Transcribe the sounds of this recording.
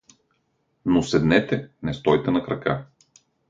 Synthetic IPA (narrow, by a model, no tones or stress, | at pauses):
nosɛd̪nɛt̪ɛnɛst̪ɔjt̪ɛnɐkɾɐka̰